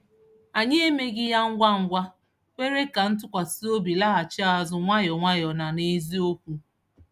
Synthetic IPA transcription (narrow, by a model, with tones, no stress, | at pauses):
a˨ɲe˦e˦me˦ɡɪ˦ja˦ŋ̩˦ɡʷa˦ŋ̩˦ɡʷa˦ | kʷe˦ɾe˦ka˨n̩˦tʊ˦kʷa˨si˦o˦bi˨la˦ɦa˨t͡ʃa˦˨zʊ˦ŋʷa˦jɔ˨ŋʷa˦jɔ˨na˨ne˦zi˦o˦kʷu˦